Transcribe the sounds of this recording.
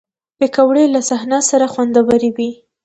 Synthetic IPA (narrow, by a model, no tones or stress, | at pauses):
pekawɽelasahnasaɾaxwand̪awaɾiwi